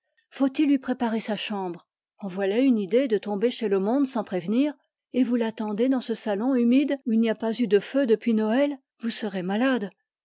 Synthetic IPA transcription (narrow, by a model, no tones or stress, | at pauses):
fot̪ilːɥipχepaʁesaʃɑ̃bʁ | ɑ̃vwalaynid̪ed̪ət̪ɔ̃beʃeləmɔ̃d̪sɑ̃pχevniːʁ | evulat̪ɑ̃d̪ed̪ɑ̃səsalɔ̃ymid̪uilniapazyd̪əfød̪əpɥinɔɛl | vusəʁemalad̪